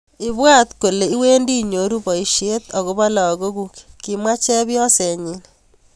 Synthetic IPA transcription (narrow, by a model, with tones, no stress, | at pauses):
i˦βwa˦t̪ko˨le˨i˦we˦ndi˦ɲo˨ɾu˦bɔ˨i˨ʃe˦t̪ɔ˨ko˦βa˦la˨ɡo˦kukki˦mwa˦t͡ʃɛ˦bjɔ˦sɛ˨ɲi˦n